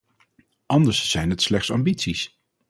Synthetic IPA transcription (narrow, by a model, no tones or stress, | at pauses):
ʔɑndəɹsz̥ɛjnɦətslɛχtsɑmbitsis